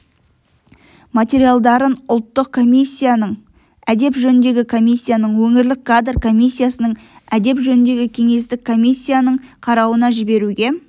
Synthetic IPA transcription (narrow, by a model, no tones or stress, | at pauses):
mat̪ʲe̞ɾijalˠd̪ɑɾənʊlˠt̪ːəq̚kʰo̞mʲijsʲːijanəɴ | æd̪e̞pʒɵnɪnd̪e̞ɡʲɪkʰo̞mʲijsʲːijanəɴwɵŋɪɾlɪkʰːad̪rkʰo̞mʲijsʲːijasənəɴ | æd̪e̞pʒɵnɪnd̪e̞ɡʲɪkʲʰe̞ŋe̞st̪ɪkkʰːo̞mʲijsʲːijanəɴqʰɑɾɑwənɑʒɪbe̞ɾuɡʲe̞